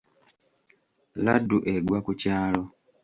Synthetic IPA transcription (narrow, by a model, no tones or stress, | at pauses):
laduʔeɡwakucaːlo̞